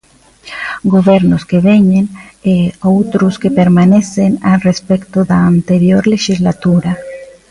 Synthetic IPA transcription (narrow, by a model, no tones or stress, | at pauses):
ɡoβeɾnoskeβeɲeneowt̪ɾoskepeɾmanesenarespekt̪oðaːnt̪eɾjoɾleʃizlat̪uɾa